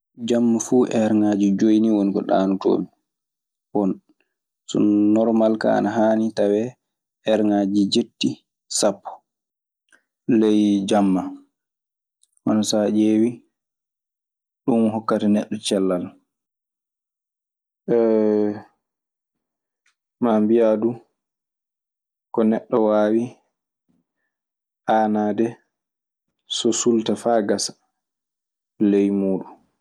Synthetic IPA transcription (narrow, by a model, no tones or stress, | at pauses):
d͡ʒamːafuːʔɛɾŋad͡ʒid͡ʒojniwonikɔ̰ɗa̰ːnuto̰ːmi | wɔn | sɔ̰nɔɾmalka̰a̰naɦaːnitawɛ | ʔɛɾŋad͡ʒid͡ʒetːi | sapːɔ̥ | lɛjd͡ʒamːa | ʔɔnɔsad͡ʒeːwi | ɗumɦɔkːatanɛɗːɔt͡ʃɛlːal | mambijadu | kɔnɛɗːɔwaːwi | ʔaːnaːdɛ | sɔsultafaːɡasḁ | lejmuːɗu